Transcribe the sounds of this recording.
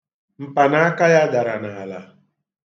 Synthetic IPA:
m̩˨pa˨na˨˦a˦ka˦ja˦da˨ɾa˨na˨a˨la̰˨

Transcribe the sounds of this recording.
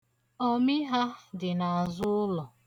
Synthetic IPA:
ɔ˦mɪ˦ɦa˦dɪ˨na˨a˨zʊ˦ʊ˦lɔ˨

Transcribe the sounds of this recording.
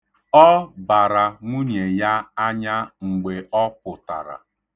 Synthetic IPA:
ɔ˦ba˨ɾa˨ŋʷu˦ɲe˨ja˦a˦ɲa˦ŋ͡m̩˨ɡ͡be˨ɔ˦pʊ˨ta̰˨ɾa̰˨

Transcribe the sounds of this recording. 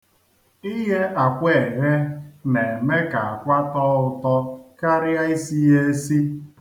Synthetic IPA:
i˦ɦe˦ʔa˨kʷe˨ɦe˦ne˨me˦ka˨a˨kʷa˦tɔ˦ʊ˨tɔ˦ka˦ɾɪ˦a˦i˦si˦e˦si˦

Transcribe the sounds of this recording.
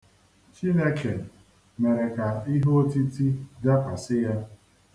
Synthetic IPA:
t͡ʃi˦ne˦kʰe˨ | me˨ɾe˨ka˨i˦ɦo˦ti˦ti˦da˦kʷa˨sɪ˦ja˦

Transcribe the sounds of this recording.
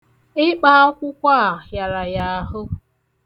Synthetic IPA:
ɪ˦k͡pa˦ɔ˦kʷʊ˦kʷa˦˨ja˨ɾa˨ja˦ɦʊ˦

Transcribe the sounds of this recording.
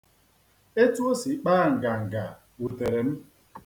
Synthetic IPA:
e˦tu˦o˦si˨k͡paː˦˨ŋ̩˨ɡa˨ŋ̩˨ɡa̰˨ | u˨te˨ɾe˨m̩˦

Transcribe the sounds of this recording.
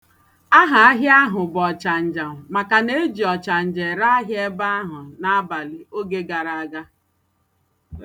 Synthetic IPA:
a˦ɦa˨a˦ɦja˦ɦʊ˨bɔ˨t͡ʃa˨n̩˨d͡ʒa˨m˨ma˨ka˨ne˦e˦d͡ʒi˨ɔ˨t͡ʃa˨n̩˨d͡ʒe˨ɾa˦a˦ɦje˦ba˦a˦ɦʊ˨na˦a˦ba˨li˨o˦ɡe˦ɡa˨ɾa˨a˦ɡa˦

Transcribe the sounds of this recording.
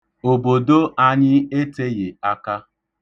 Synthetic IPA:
o˨bo˨do˦ʔa˦ɲɪ˦e˦te˦ɣe˨a˦ka˦

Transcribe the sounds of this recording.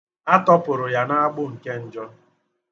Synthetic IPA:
a˦tɔ˦pʊ˨ɾʊ˨ja˨na˦a˦ɡ͡bʊ˦ŋ̩˨ke˦n̩˨d͡ʒɔ˦

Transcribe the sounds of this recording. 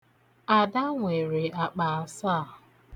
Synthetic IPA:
a˨da˦ŋʷe˨ɾe˨a˨k͡pa˨a˨sa˦˨

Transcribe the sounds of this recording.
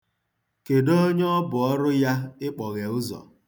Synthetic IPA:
ke˨do˦o˦ɲ˦ɔ˦bʊ˨ɔ˦ɾʊ˦ja˦ɪ˦k͡pɔ˨ɣe˨ʊ˦zɔ̰˨

